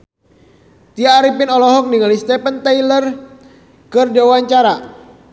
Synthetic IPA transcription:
t̪iaːɾipinɔlɔɦɔk̚niŋalist̪ɛpənt̪ailər | kɨrdawaɲt͡ʃaɾa

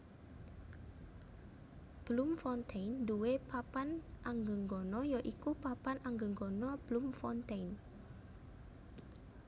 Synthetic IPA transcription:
b̥lumfɔnt̪ʰenduepapanʔaŋɡəŋɡɔnɔjɔʔikupapanʔaŋɡəŋɡɔnɔb̥lumfɔnt̪ejn

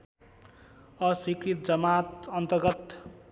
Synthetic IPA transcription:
ʌswikrit̪̚d͡zʌmat̪ʌnt̪ʌrɡʌt̪

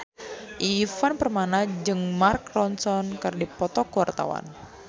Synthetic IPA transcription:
ʔifanpərmanad͡ʒɨŋmarkrɔnsɔnkɨrdipɔt̪ɔkuwart̪a̰wa̰n

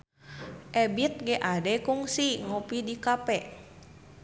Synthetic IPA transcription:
ʔɛbit̪̚ɡɛʔadɛkuŋsiŋopidikapɛʔ

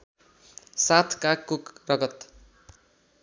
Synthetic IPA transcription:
sat̪ʰkakːokrʌɡʌt̪

